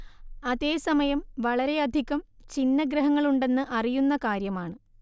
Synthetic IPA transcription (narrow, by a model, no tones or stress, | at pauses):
ɐðe̞ːsɐmɐjɐmʋɐɭɐɾe̞ɐd̪ʱiɣɐm | t͡ɕinːɐɡɾɐɦɐŋːɐɭuɳɖe̞nːɨʔɐrijunːɐkaːɾjɐmaːɳɨ